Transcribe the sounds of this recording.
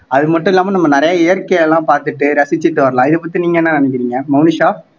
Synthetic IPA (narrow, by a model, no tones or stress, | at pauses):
ɐðɯmɐʈːʊ̃ɪlːaːmɐnɐmːɐnɪɾɐjɐɛjɐɾkɐjɛlãːpaːɾt̪ɯʈːɯɾɐsɪt͡ʃːɯʈːɯʋɐɾɐlãːɪðɯpɐt̪ːiniːŋɡɐnːãːnɐnɛk̬ːɪɾiːŋɡɐmɐʊnɪʂaːf